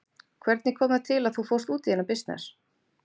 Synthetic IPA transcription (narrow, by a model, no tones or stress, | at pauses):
kʰvɛɾt̪nɪkʰɔːmat̪ʰɪlaðθufowst̪uːt̪ɪjɛnapɪst̪nɛ̰s